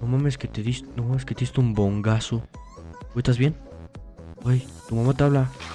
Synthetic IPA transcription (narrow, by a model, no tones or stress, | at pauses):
nomamesket̪eðisnomamesket̪eist̪eumboŋɡaso | uest̪azβje̞n | aj | t̪umamat̪eaβla